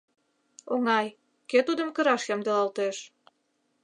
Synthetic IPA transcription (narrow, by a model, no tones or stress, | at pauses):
oŋɑj | ket̪ud̪ə̆mkəɾɑʃjɑmd̪elɑlt̪eʃ